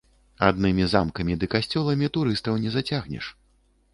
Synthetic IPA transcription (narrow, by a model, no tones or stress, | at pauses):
a̰d̪nɨmʲiza̰mkɐmʲid̪ɨkasʲt͡sʲɔlˠɐmʲit̪uɾɨst̪ɐwnʲɛzat͡sʲaɣnʲɛ̰ʂ